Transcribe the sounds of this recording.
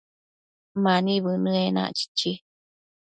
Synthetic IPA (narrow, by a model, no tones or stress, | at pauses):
maniβɨnɨena̰ʔt͡ʃi̥t͡ʃːi